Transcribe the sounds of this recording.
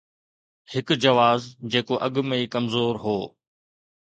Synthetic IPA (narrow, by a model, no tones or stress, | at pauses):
hɪkd͡ʑɐʋaːzd͡ʑeːkoʔɐɠmeiːkɐmzoːɾɦoː